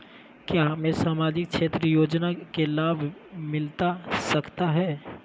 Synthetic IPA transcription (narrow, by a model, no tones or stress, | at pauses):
kjaːɦmẽsaːmaːd͡ʒɪk̚t͡ʃʰeːt̪ɾəjoːd͡ʒnakelaːbʱmɪlt̪asəkt̪aɦɛː